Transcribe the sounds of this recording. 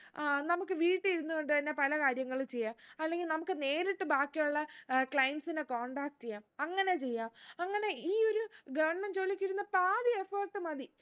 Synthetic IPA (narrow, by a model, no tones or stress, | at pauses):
nɐmukːɨʋiːʈːiiɾunːuɣo̞ɳɖɨt̪ɐnːe̞pɐlɐkaːɾjɐŋːɐɭumt͡ɕe̞jːaːmɐlːeŋɡilnɐmukːɨne̞ːɾiʈːɨbaːkːijuɭːɐkɭɐjɐɳɖsinekoːɳɖaːk̚t͡ɕejːaːmɐŋːɐne̞t͡ɕe̞jːaːmɐŋːɐne̞iːo̞ɾuɡɐʋɐrɳment͡ɕo̞ːlːikʲːiɾunːɐpaːðiefɐːʈːɨmɐði